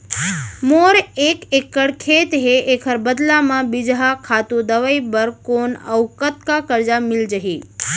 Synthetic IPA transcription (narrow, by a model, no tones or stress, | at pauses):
moɾekekəɽkʰet̪ɦeʔekʰəɾbəd̪lamãbid͡ʒɦakʰat̪ũd̪əʋaibəɾkonəwkət̪kakəɾd͡ʒamɪld͡ʒəɦi